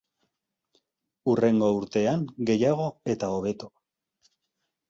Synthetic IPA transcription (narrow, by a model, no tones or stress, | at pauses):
ure̞ŋɡo̞uɾt̪e̞aŋɡe̞jaɣ̞o̞e̞t̪ao̞β̞e̞t̪o